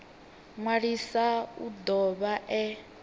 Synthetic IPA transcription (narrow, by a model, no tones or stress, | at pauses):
ŋwaɺisaṵd̪ɔβaʔɛ